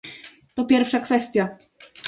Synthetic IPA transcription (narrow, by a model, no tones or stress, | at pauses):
t̪ɔpʲjɛɾfʂakfɛst̪ʲja